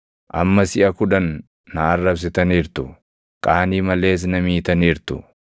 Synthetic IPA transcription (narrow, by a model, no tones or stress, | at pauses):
ʔɐ̰mːɐsɪʔɐkʊᶑɐnː | ɐːrːɐbs̬ɪt̪ɐniːɾt̪ʊ | kʼaːniːmɐle̞ːs̬nɐmiːt̪ɐniːɾt̪ʊ̰